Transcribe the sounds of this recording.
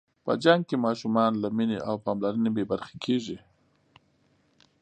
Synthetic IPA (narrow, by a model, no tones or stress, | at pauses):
pə̰d͡ʒaŋɡ̚kemɑʃumɑnlamineʔawpɑmlaɾənebebaɾxḁkʰeʒi